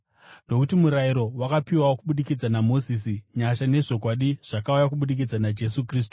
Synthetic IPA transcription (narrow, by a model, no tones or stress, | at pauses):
no̞kutimuɾaiɾo̞wakapiwaokuɓuɗikid͡zanamo̞zis̬iɲaʃane̞ʐo̞kwaɗiʐ̥akaujakuɓuɗik̬id͡zanad͡ʒe̞sukriːs̬tuu̥